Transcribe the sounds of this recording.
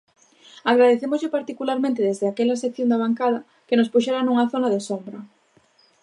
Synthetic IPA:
aɣɾaðeθemozʎɪpaɾt̪ikulaɾmẽnt̪ɪðezðɪakɛlɐsekθjõnd̪aβaŋkaðɐ | kenospuʃɛɾanuŋɐθonaðesombɾɐ

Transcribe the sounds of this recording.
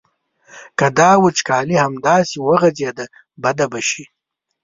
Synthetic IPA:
kad̪ɑːwut͡ʃkɑːlihamd̪ɑːsiwəɣɐzed̪a | bad̪abaʃi

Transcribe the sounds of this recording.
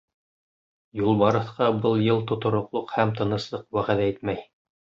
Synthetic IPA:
julˠbɑɾɤ̆θqɑbɤlˠjɤlˠt̪ŏt̪ŏɾŏqlˠoqhæmt̪ɤ̆nɤ̆slˠɤqwæʁæðæit̪̚mæj

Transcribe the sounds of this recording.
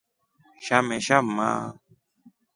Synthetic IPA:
ʃameʃamːa̰ː

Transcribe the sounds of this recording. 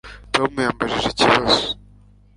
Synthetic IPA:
tomujambaʒiʒeciβazu̥

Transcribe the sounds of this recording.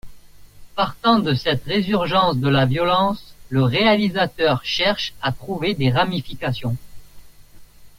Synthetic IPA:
paʁt̪ɑ̃d̪əsɛt̪ʁezyʁʒɑ̃sd̪əlavjɔlɑ̃sləʁealizat̪œʁʃɛʁʃat̪χuved̪eʁamifikasjɔ̃

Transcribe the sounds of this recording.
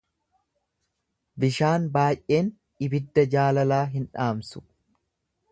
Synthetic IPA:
bɪʃaːnbaːjʔʔe̞ːn | ʔɪbɪd̪ːɐd͡ʒaːlɐlaːɦɪnᶑaːmsʊ̥

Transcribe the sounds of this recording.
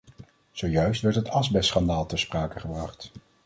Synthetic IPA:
z̥owjœɥstʋɛɹtɦətɑzbɛsχɑndaːlˠtɛɹspraːkəχəbrɑχt

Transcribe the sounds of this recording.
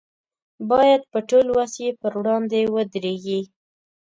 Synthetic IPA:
bɑjad̪̚pəʈolwasjepəɾwɽɑnd̪ewəd̪ɾeɡi

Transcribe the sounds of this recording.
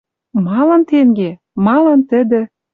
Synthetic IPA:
mɑlɤnt̪eŋɡe | mɑlɤ̆nt̪ə̆d̪ə̆

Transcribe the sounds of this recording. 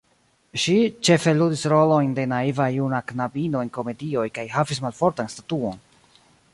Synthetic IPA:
ʃit͡ʃe̞fe̞ludisɾo̞lo̞jnde̞naivajunaknabino̞e̞nko̞me̞dio̞jkajɦavismalfo̞ɾtanstatuo̞n

